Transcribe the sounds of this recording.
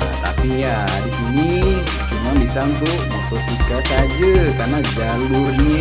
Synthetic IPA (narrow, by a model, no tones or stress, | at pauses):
ja̰t̪a̰pi | a | ɾisini | t͡ʃumuamisaŋt̪u | mɔt̪osikasad͡ʒakarnad͡ʒalurɲa